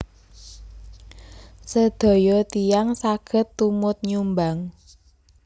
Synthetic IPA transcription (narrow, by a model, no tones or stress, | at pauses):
səd̪̥ɔ̤jɔt̪ijaŋsaɡ̥ə̤t̪ːumʊt̪̚ɲumbaŋ